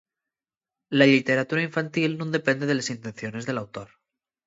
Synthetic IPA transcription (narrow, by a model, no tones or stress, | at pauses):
lalit̪e̞ɾat̪uɾaiɱfant̪ilnũnd̪e̞pe̞nd̪e̞ðe̞lesint̪e̞nθjo̞ne̞zðe̞lawt̪o̞ɾ